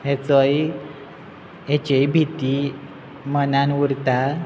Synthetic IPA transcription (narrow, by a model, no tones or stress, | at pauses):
ɦet͡səj | et͡ɕejbʱit̪i | mənanuɾt̪a